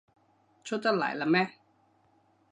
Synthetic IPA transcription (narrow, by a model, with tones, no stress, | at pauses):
t͡ɕʰo˥t̚t̪a˥˩la̰ː˨˦la˦˥mɛ˦˥